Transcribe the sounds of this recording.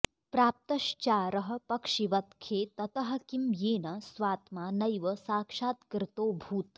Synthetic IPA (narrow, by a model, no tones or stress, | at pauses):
pɾaːp̚t̪ɐʃt͡ʃaːɾɐɦɐ̆pɐkʂiʋɐt̪kʰeːt̪ɐt̪ɐɦɐ̆kimjeːnɐsʋaːt̪maːnɐjʋɐsaːkʂaːt̪kɾɪt̪oːbʱuːt̪